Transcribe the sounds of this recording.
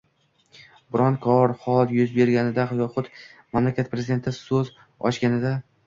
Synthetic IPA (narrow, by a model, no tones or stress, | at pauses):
bɪɾɒnkʰɒɾχɒlˠjʊzbe̞ɾɡʲanɪd̪aχjɒχʊt̪mamlakʲat̪̚pɾeɪd̪e̞nt̪ʰɪsɵz | ɒ̰ʃɡʲanɪd̪a